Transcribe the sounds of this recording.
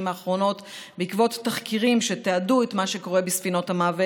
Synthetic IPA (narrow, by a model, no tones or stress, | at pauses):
maːχʁo̞no̞t | beikvo̞tːaχkiʁimʃe̞teaduetmaʃeko̞ʁe̞bisfino̞thamaːve